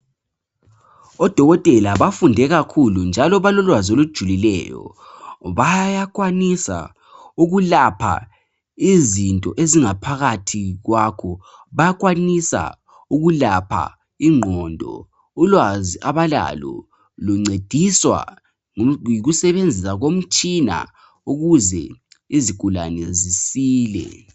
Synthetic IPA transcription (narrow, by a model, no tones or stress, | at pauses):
ɔd̥ʱɔɣɔtʼɛlaβafundʱɛɣakʰulund͡ʒʱalɔβalɔlwazolud̥ʒ̥ʱulilɛ̰jɔ̰ | βajak̬ʼwanisa̰ | uɣulapʰa̰ | izintʼɔʔeziŋapʰaɣatʰiɣwakʰɔ | βajakʼwanisa̰ | uɣulapʰa̰ | iŋ͡ǃʱɔndʱɔ̰ | ulwaziʔaβala̰lɔ̰ | luŋ͡ǀed̥ʱiswa̰ | iɣusɛβend͡zʱisaɣom̩t͡ʃʼina̰ | uɣuzɛ̰ | iziɡ̥ʱulanɛzisiːlɛ̰